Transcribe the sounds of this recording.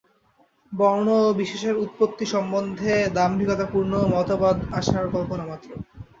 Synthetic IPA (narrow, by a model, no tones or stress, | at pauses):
bɔɾnobiʃeʃeɾut̪̚pot̪ːiʃɔmbond̪ʱed̪ambʱikot̪apuɾnomɔt̪obad̪aʃaɾkɔlponamat̪ːɾo